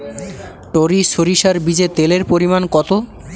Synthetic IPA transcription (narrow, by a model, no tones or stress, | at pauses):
ʈoɾiʃoɾiʃaɾbid͡ʑet̪eleɾpoɾimankɔt̪o